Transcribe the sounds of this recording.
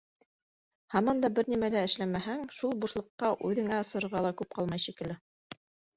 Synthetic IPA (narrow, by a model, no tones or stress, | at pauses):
hɑmɑnd̪ɑbɘɾnimælæɘ̆ʃlæmæɦæŋʃulˠbuʃlˠɤ̆qːɑʔʉðɘ̆ŋæŏsɤ̆ɾŏɾʁɑlˠɑkʉp̚qɑlˠmɑjʃikɘ̆lɘ